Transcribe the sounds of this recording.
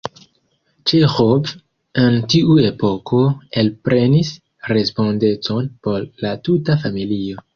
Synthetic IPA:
t͡ʃexov | e̞ntiue̞po̞kʰo̞e̞lpɾe̞nis | ɾe̞spo̞nde̞t͡so̞npo̞ɾlatutafamilio̞

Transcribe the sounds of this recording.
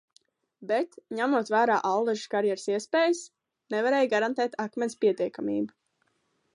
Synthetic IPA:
bɛt̪ɲæmuɔt̪væːɾaːʔallˠɛʒkaɾjɛɾsiɛspɛːjs | nɛvaɾɛːjɡaɾant̪ɛːt̪ʰakmʲɛnspiɛt̪iɛkamʲḭːbu

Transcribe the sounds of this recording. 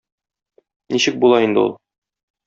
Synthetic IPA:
niɕɘk̚bulˠɑind̪ɘ̰ṵlˠ

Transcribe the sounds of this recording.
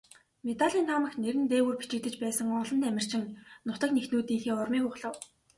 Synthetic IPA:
met̪aɮʲiːnt̪ʰaːmə̆xneɾɘ̆nt̪eːwɘ̆ːrpi̥t͡ɕɪ̆kt̪ɘ̆t͡ɕpæːsə̆ŋɔɮɞ̆nt̪æmʲɪ̆r̥t͡ɕɪ̆ŋnʊt̪ə̆knext̪nuːt̪iːŋxeːʊrmiːpʊχɮə̆w

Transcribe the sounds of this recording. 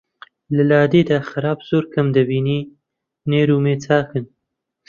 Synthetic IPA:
ləlɑːd̪ed̪axaɾɑːbz̥oɾkamd̪əwini | neɾumet͡sɑːkən

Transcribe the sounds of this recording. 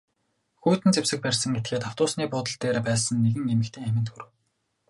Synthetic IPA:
xuːt̪ɘ̆nt͡sewsɘ̆k̚pærʲsə̆ŋɡet̪̚ɡeːt̪aw̥t̪ʊːsniːpʊːt̪ə̆ɮt̪eːɾepæːsə̆nːeɣɘ̆ŋemɘ̆kt̪ʰeːŋæmʲɪ̆nt̪xuɾɘ̆w

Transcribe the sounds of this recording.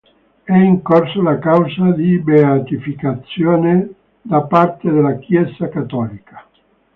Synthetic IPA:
ɛiŋkorsalakawsad̪ibeat̪ifikat̪sːjoːne | d̪apart̪ed̪elakjɛsakat̪ːɔːlikḁ

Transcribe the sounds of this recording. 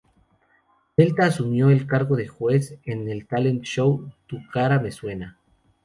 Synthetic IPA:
d̪e̞lt̪aːsumjo̞e̞lkaɾɣo̞ðe̞xwe̞se̞ne̞lt̪ale̞nt̪ʃowt̪ukaɾame̞swe̞na

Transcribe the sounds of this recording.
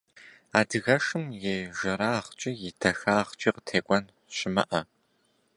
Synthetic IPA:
aːdɨɣɐʂɨmjeʒɐɾaːχt͡ʃʼijɪdʰɐxaːχt͡ʃʼiːqə̥tʰeːkʷʼɔn | ɕɪmɐ̰ʔɐ

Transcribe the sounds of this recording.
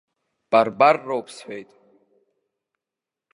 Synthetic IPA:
b̥arbarːowpʰsħʷᶣejt̪ʼ

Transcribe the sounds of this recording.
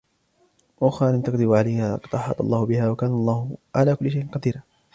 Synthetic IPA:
waxaːlɪnt̪ɑqd̪ɪbʕalajhaqɑd̪ʔɑħɑ̰t̪ˤɑlˤːɑːhʊbɪhaːwakaːnalˤːɑːhʊʕalaːkʊlːɪʃajʔɪnqɑd̪iːɾa

